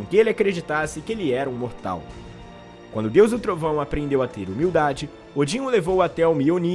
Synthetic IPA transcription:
kɪelɪakɾed͡ʒit̪asɪkɪelɪɛɾɐũmoɾt̪a̰w | kwɐ̃nd̪ʊd̪ewzd̪ʊt̪ɾovɐ̃w̃apɾẽnd̪ewat̪eɾumiwd̪ad͡ʒɪ | od͡ʒĩŋʊlevowat̪ɛawmioni

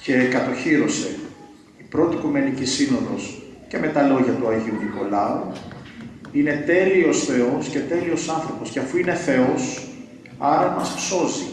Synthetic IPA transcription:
ce̞kɐt̪o̞çiɾo̞se̞ | ipɾo̞t̪ikume̞nicisino̞ðo̞̰s | ce̞me̞t̪ɐlo̞ʝɐt̪uɐʝiuðiko̞lɐu | ine̞t̪e̞lio̞sθe̞o̞sce̞t̪e̞lio̞sɐnθɾo̞po̞sceɐfuine̞θe̞o̞s | ɐɾɐmɐspso̞zi

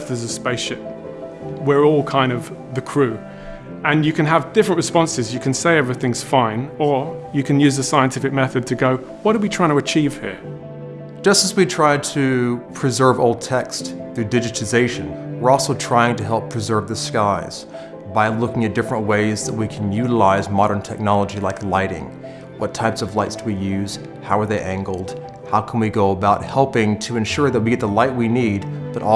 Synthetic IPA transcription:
ðəzəspeɪʃɪp̚ | wɪɹɔlˠkʰãɪ̃ndʌvðɨkʰɹ̥ʉ | ə̃njɨkʰɨ̃nəvdɪfɹə̃nʔɹɨspɒ̃nsɪzjɨkʰə̃nseɪɛvɹiθɪ̃ŋz̥fãɪ̃nəjɨkʰɨ̃njʉːzðəsaɪə̃ntʰɪfɪk̚mɛθɨd̚tʰɨɡoʊ | wɒtəwitʰɹ̥aɪɪ̃ŋtʰəət͡ʃʰiːv̥hɪ̰ɹ | d̥ʒ̥ʌstəzwitʰɹ̥aɪd̚tʰɨpʰɹ̥ɨzɜ˞voʊlˠd̚tʰɛksθɹʉdɪd͡ʒɨɾɨzeɪʃɨ̃nwɨɹɔlˠsoʊtʰɹ̥aɪɪ̃ŋtɨɦɛlˠpʰɹ̥ɨzɜ˞vðɨskaɪz̥ | baɪlʊkɪ̃ŋɨt̚d̥ɪfɹə̃nʔweɪzðət̚wikʰn̩jʉɾəlaɪzmɑɾə̃˞ntʰɛk̚nɑlˠəd͡ʒilaɪklaɪɾɪ̰̃ŋ | wʌtʰaɪpsʌvlaɪtsdʰəwijʉz̥ | haʊə˞ðeɪʔæ̃ŋɡl̩ˠd̥ | haʊkʰn̩wiɡoʊəbaʊt̚hɛlˠpɪ̃ŋtʰɨɨ̃nʃʊɹðət̚wiɡɛt̪̚ðəlaɪt̚winid̚b̥ʌɾʔɔ

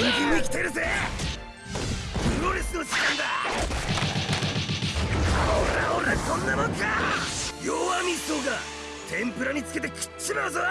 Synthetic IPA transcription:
ɯŋkĩɲːiikʲi̥t̪eɾɯse | ɯɾoɾisɨnoɕi̥kãŋɡ̪a | kʰaoaoɾasõnːamõŋkajoamʲisoːkaɾ | t̪ʰẽ̞mpɯ̟ɾaɲ̟it͡sɨ̥ke̞t̪ekɯ̥t͡ɕːimazo

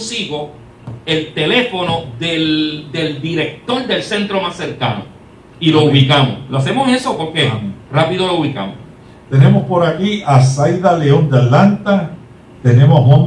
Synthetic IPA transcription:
siɣo̞ | e̞lt̪e̞le̞fo̞no̞ðeld̪e̞ld̪iɾe̞k̚t̪o̞ɾd̪e̞lse̞nt̪ɾo̞masːe̞ɾkano̰ | ilo̞uβikamo̰sloase̞mosiesopoɾkerapiðo̞louβika̰mo̰s | t̪e̞nemospo̞ɾakiʔasajðaleond̪eat̪lant̪a | t̪e̞nemohmõn

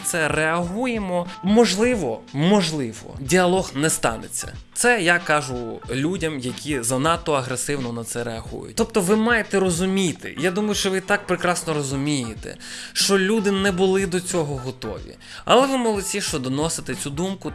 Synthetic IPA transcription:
t̪sɛreɐɦujemɔmɔʒlˠɪʋɔmɔʒlˠɪʋɔ̰dʲiɐlˠɔɣnɛst̪ɑ̰net͡sʲːɐ̰t̪sɛjakɑʒʊlʲudʲɐmjɐkʲʰizɐnɑt̪ːɔɐɦɾesɪwnɔnɐt̪sɛɾeɐɦṵjʊ̰t̚ʲt̪ɔpt̪ɔʋɪmɑjet̪ɛɾɔzʊmʲit̪ɪ̰jad̪umɐjʊʃt͡ʃɔʋɪt̪ɑk̚pɾekɾɑsnɔɾɔzʊmʲijet̪ɛ̰ʃt͡ʃɔlʲud̪ɪnɛbʊlˠɪd̪ɔt͡sʲɔɦɔɦɔt̪ɔ̰ʋʲḭ | ɐ̰lˠɛʋɪmɔlˠɔt͡sʲiʃt͡ʃɔd̪ɔnɔsɪt̪ɪt͡sʲud̪umkʊ

